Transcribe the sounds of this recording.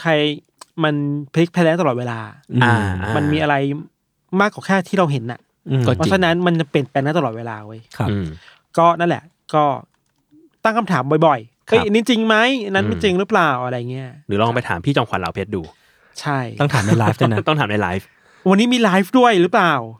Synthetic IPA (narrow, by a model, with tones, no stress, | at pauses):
kʰa˧j | ma˧npʰli˦˥k̚pʰɛː˦˥lɛː˦˥t̪a˧lɔː˨˩t̪̚weː˧laː˧a˧ma˧nmiː˧ʔa˧ɾa˧j | maː˥˩kːaː˨˩kʰɛː˥˩t̪ʰiː˥˩ɾa˧wɦe˩˦nʔa̰˨˩ʔ | ɔ˥˩pʰɔ˦˥t͡ɕʰa˧na˦˥nma˧nt͡ɕa˧˩pi˨˩ən̚pɛ˧n˦˥t̪a˧lɔː˨˩t̪̚weː˧laː˧woː˧˦jkʰa˦˧˩ | kɔː˥˩na˥˩nlɛ̰˨˩ʔ | kɔː˥˩ | t̪a˥˩ŋkʰa˧mt̪ʰaː˩˦mbɔ˨˩jbɔ˨˩j | ʔɤ˧˩˦niː˦˥˩t͡ɕi˧ŋma˦˥ja˧na˦˥nma˥˩t͡ɕi˧ŋɾɯ˦˥plaː˨˩wʔa˧ɾa˧ja˨˩ŋːi˦˥ɐɾɯː˩˦lːŋ˧pa˧jt̪ʰa̰ː˩˦mpʰiː˥˩t͡ɕɔː˧ŋkʰa̰˨˦nla̰˩˦wpʰeː˦˥t̪̚duː˧ | t͡ɕʰa˥˩j̪ɔ˥˩ŋt̪ʰaː˨˩˦na˧laː˦fa˥˩nt̪ɔ˥˩ŋt̪ʰːmna˧laː˦˥jf | wa˧nːiː˦˥miː˧laː˦˥jfdu˥˩əjɾɯ˦˥plaː˨˩w